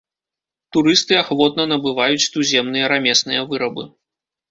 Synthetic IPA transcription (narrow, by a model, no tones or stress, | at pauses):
t̪uɾɨst̪ɨaxvɔt̪nɐnɐbɨvajut͡sʲt̪uzʲɛmnɨjɐɾamʲɛsnɨjɐvɨɾɐbɨ